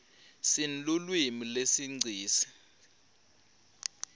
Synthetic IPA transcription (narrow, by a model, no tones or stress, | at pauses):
sin̩lulwimilesiŋ͡ǀʱiːsi̥